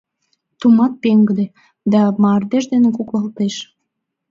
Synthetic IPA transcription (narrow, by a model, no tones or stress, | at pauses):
t̪umɑt̪̚peŋɡəd̪e | d̪ɑmɑrd̪eʒd̪enekuklɑlt̪eʃ